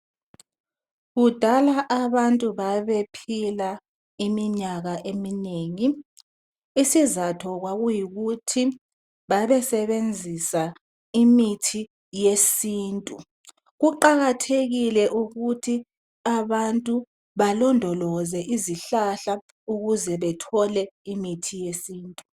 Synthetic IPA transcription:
ɣud̥ʱalaʔaβantʼuβaβepʰila | imiɲaɣaʔemineːŋi | isizatʰɔɣwaɣujiɣutʰi | βaβɛsɛβend͡zʱisa | imitʰi | jesiːntʼu | ɣuǃaɣatʰeɣilɛʔuɣutʰi | aβantʼu | βalɔndʱɔlɔzɛʔiziɬaɬa | uɣuzɛβɛtʰɔlɛimitʰijesiːntʼu

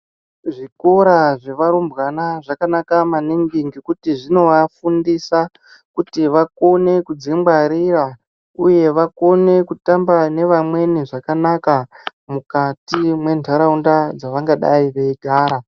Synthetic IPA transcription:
ʐiko̞ɾaʐe̞ʋaɾumbɣanaʐakanakamaniŋɡiŋɡikutiʐino̞ʋafundisa | kutiʋako̞ne̞kud͡zimbaɾira | uje̞ʋako̞ne̞kutambane̞ʋamwe̞niʐakanakamukatimwe̞ntʰaɾaundad͡zaʋaŋɡaɗaiʋeiɡʱaːɾa

